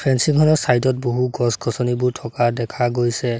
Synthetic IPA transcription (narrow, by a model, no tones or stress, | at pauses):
pʰɛnsiŋkʰɔnɔɹsajtɔt̚boɦuɡɔskʰɔsɔnibʊɹtʰɔkadɛkʰaɡojsɛ